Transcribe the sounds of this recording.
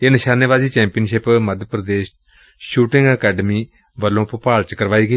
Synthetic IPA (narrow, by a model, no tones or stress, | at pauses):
eːnəʃaːnjəʋaːziːt͡ʃɛ̃ːmpiənʃɪpməd̪ʱəpɾəd̪eːʃ | ʃuːʈɪ̃ŋɡəkɛːɖəmiː | ʋəlːõːpəpaːlt͡ʃkəɾʋaːiːɡəiː